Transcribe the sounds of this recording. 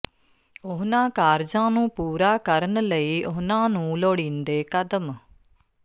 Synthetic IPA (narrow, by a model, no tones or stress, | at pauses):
ʊɦnãːkaːɾd͡ʒãːnũːpuːɾaːkəɾənləiːʔʊɦnãːnũːloːɽĩːnd̪eːkəd̪əm